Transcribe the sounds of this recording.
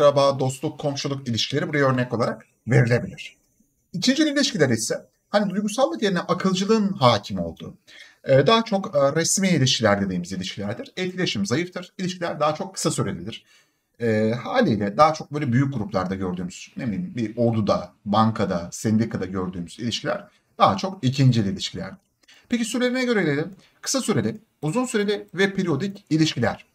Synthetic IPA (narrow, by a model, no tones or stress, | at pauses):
ɾabaːd̪o̞st̪lˠukʰːo̞mʃulˠukilʲiʃkʰcʰilʲe̞ɾibuɾajaøɾnɛco̞lˠaɾak | ve̞ɾilʲe̞bilʲiɾ̥ | it͡ʃʰind͡ʒiiilʲiʃcilʲæɾisɛ | hanid̪ujɡusalˠːɯkjeɾinɛʔakʰɯlˠd͡ʒɯlˠɯːnɦaːcʰimo̞lˠd̪ṵː | d̪aːat͡ʃʰo̞kɾɛsmiːilʲiʃcʰilʲæɾd̪e̞d̪iːmizilʲiʃcʰilʲæɾd̪iɾ̥ɛlcʰilʲe̞ʃimzajɯft̪ʰɯɾ̥ilʲiʃcʰilʲæɾd̪aːat͡ʃʰo̞kʰːɯ̥sasyɾelʲid̪ʲiɾ̥ | ɛhaːlʲiːlʲɛd̪aːat͡ʃʰo̞k̚bøːlʲɛbyjyc̚ɡuɾuplˠaɾd̪aɟø̞ɾd̪yːmyznebilʲiimbiʔo̞ɾd̪ud̪abaŋkʰad̪asɛnd̪ikʰad̪aɟø̞ɾd̪yːmyz̥ilʲiʃcʰilʲæ̰ɾ̥ | d̪̥aːɦat͡ʃʰo̞kicʰind͡ʒilʲilʲiʃcʰilʲæ̰ɾd̪ | pʰecisyɾlʲe̞ɾinɛɟø̞ɾelʲelʲim | kʰɯ̥sasyɾe̞lʲɪ | uzunsyɾe̞lʲɪvɛpʰeɾio̞d̪icilʲiʃcilʲæɾ̝̥